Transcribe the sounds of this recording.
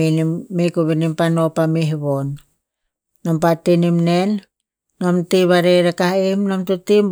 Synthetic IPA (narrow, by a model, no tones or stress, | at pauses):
iniːekuβinimpanopamiɦβonː | ompatːinimnenː | omtiβaɾeɾekaimnomtotim